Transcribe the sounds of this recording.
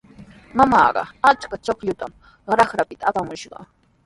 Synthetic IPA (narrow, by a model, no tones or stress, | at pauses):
mamɑ̰ːɢɑ̰at͡ʃkat͡ʃokʎʊt̪am | ɾɑχɾapɪt̪aːpamʊʃɢɑ̰